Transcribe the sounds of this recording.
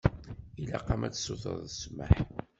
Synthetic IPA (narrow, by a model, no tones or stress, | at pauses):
ilæqɑmæt͡sːsuθə̰ðˤəsmə̰ħ